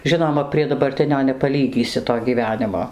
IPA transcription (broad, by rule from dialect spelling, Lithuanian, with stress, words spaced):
ˈʒʲɪnoːmɐ pʲrʲiɛ dɐbɐrʲˈtʲɪnʲoː nʲɛpɐˈlʲiːɡʲiːsʲɪ toː ɡʲiːˈʋʲæːnʲɪmoː